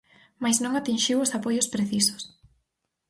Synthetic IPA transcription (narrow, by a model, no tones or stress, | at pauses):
majznõŋat̪inʃiwosapojʊspɾeθiso̥s